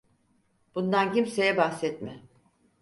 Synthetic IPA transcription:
b̥und̪ancimsejɛbahsɛt̪mɪ

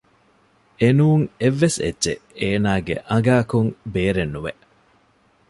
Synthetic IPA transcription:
enuːŋeʋːesḛdːt͡ʃḛeːnaːɡḛʔɐŋɡaːkuŋbeːɾenːuʋeʔ

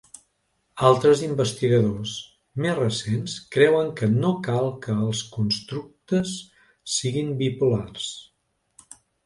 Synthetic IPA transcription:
alˠt̪ɾəzimbəst̪iɣəðos | mezrəsenskɾɛwəŋkənokalˠkəːlˠskunst̪ɾuk̚t̪əsː | iɣimbipulars

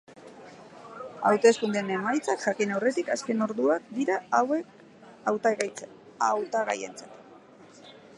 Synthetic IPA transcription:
a̰wt̪e̞skund̪ene̞majt͡sakʝakinawre̞t̪ikaske̞no̞ɾðuak̚d̪iɾaawe̞k | awt̪ɣt͡s | awt̪aɣa̰je̞̰nt͡sat̪

